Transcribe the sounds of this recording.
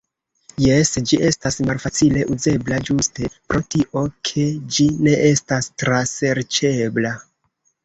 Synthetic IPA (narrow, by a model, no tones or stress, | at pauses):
jesd͡ʒiʔe̞stasmalfat͡sile̞ʔuze̞blad͡ʒuste̞pɾo̞tiʔo̞kʰe̞d͡ʒine̞ʔe̞stastɾase̞ɾt͡ʃe̞bla